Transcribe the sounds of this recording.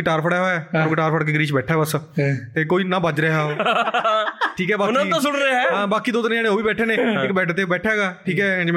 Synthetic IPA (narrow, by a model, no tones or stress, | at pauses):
ʈaːɾpʰəɽɛːɦoːɛːəɾkiʈaːɾpʰəɽk̬eːɡɾiːt͡ʃbɛːʈʰɛːbəst̪eːkoːiːnãːbəd͡ʒɾeːɦaːoː | ʈʰiːkɛːbaːñsʊɽɾɛãːbaːkiːd̪oːt̪ənːaːnẽːɦoːʋiːbɛːʈʰeːnẽːɪkbɛːʈʰt̪eːbɛːʈʰɛːɦɛɡaːʈʰiːkɛːɛ̃d͡ʒm